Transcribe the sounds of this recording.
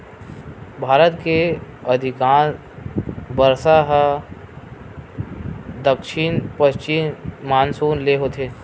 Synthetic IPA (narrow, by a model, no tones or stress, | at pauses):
bʱaːɾət̪keɐd̪ʱɪkaːn | bəɾsaɦə | d̪əkʃɪnpəʃt͡ʃɪmmaːnsuːnleɦot̪ʰeː